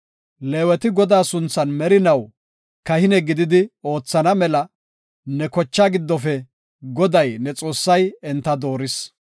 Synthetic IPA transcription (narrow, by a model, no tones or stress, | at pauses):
leːwɛt̪ɪɡɔd̪aːsʊnt͡sːɐnmɛɾɪnɐw | kɐhɪnɛɡɪd̪ɪd̪ɪo̞ːt͡sːɐnɐmɛlɐ | nɛkɔt͡ʃːaɡɪd̪ːɔfɛ | ɡɔd̪ɐjnɛt͡sʼo̞ːsːɐjɛnt̪ːɐd̪o̞ːɾɪs